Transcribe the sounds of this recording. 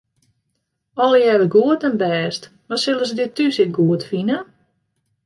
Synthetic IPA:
ɔlˠjɛʋəɡuətənbɛːst | masɪlˠəsdɪtysɪt̚ɡuətfinə

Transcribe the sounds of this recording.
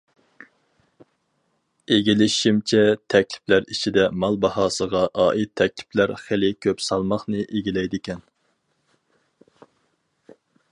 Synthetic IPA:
eɡʲilɪʃimt͡ʃʰɛt̪ʰɛkʲlɪ̥plæɾit͡ʃʰid̪ɛmɑlˠbɑhɑːsəʁɑʔɑːʔit̪ʰːɛk̚ʲlɪ̥pʰlæɾχelɪkʲʰøpsɑlˠmɑχnɨʔeɡʲilɛjd̪ɪkʲʰɛn

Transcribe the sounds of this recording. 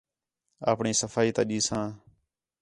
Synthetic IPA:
a̰ːpɳiːsəfʰaːiːt̪ãːɗiːsãː

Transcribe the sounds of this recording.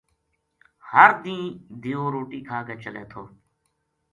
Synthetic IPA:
həɾd̪ĩːd̪ʱiːõːɾoːʈiːkʰaːkeːt͡ʃəlḛːt̪ʰoː

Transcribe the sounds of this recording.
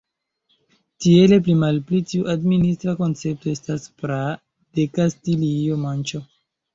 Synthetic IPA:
tie̞le̞p̬limalplitiuʔadministɾako̞nt͡se̞p̚to̞e̞staspɾa | d̥e̞kastiliomant͡ʃo

